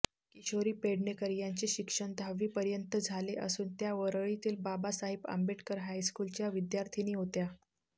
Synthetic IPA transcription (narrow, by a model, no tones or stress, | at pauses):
kiɕoɾiːpeɽɳekəɾjaɲt͡ɕeɕikʂəɳd̪ʱaʋiːpəɾjənt̪əd͡zʱaleʔə̰suːnt̪jaʋəɾəɭit̪iːlbabasaɦibə̰mbeʈkəɾɦajskuːlt͡ɕjaʋid̪jaɾt̪ʰiniːɦot̪ja